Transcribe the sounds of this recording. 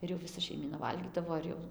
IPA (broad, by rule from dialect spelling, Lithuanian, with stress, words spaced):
ˈɪr jɛʊ ʋʲɪˈsɐ ʃʲɛɪˈmʲiːnɐ ˈʋɐlʲɡʲiːdɐʋoː ɪr ˈjɛʊ